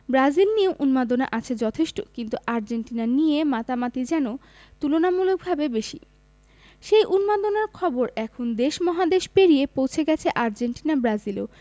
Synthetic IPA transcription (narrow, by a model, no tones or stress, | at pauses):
bɾazilnioʔunmad̪onaʔat͡ɕʰed͡ʑɔt̪ʰeʃʈokint̪uʔaɾd͡ʑenʈinanijemat̪amat̪id͡ʑɛno | t̪ulonamulok̚bʱabebeʃḭ | ʃejʔunmad̪onaɾkʰɔboɾɛkʰond̪eʃmɔɦad̪eʃpeɾijepowt͡ɕʰeɡɛt͡ɕʰeʔaɾd͡ʑenʈinabɾazilo